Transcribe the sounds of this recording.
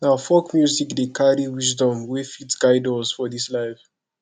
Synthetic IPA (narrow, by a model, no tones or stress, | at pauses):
naʊfɔkmjuzikdekʰaɾiwis̬dɔ̃mwefitsɡ̥aɪdɔzfɔdislaɪv